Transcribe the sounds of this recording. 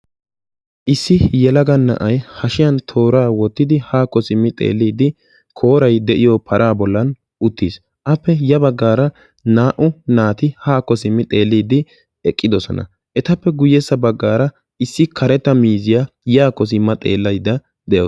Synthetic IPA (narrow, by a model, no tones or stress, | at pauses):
ʔɪsːɪjɛlɐɡɐnːɐ̰ʔɐjhɐʃɪjɐnt̪ʰo̞ːɾaːwɔt̪ːɪd̪ɪhaːkɔsɪmːɪt̪ʼḛːlːiːd̪ɪ | kʰoːɾɐjd̪ɛʔɪjɔpʰɐɾʔaːbɔlːɐn | ʊt̪ːiːs | ʔɐpːɛjɐbɐɡːaːɾɐ | naːʔʊnaːt̪ɪhaːkːɔsɪmːɪt̪ʼe̞ːlːiːd̪ɪ | ɛkʼːɪd̪ɔsɔ̰nɐ̰ | ʔɛt̪ɐpːɛɡʊjːɛsːɐbɐɡːaːɾɐ | ɪsːɪkʰɐɾɛt̪ːɐmiːzɪjaːjaːkɔs̬ɪmːɐt̪ʼe̞ːlːɐjd̪ɐ | d̪ɛʔoː